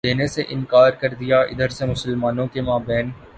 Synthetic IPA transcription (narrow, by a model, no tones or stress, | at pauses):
eːneseʔɪ̃nkaːɾkɐɾd̪ijaɪ̰d̪əɾsemʊsəlmaːnõkemaːbɛːn